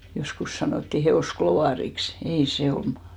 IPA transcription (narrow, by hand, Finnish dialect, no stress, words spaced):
joskus sɑnoˑtːi heoˑskloʋɑˑriks ei se omɑ̥